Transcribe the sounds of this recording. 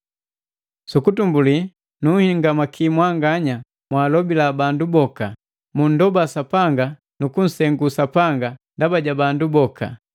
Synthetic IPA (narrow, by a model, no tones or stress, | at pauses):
sukutumbuli | nuhiŋɡamakʰimwaŋɡaɲa | mwaːlɔbilabandubɔka̰ | mun̩dɔbasapaŋɡa | nukun̩sɛŋɡusapaŋɡandabaɟabandubɔka̰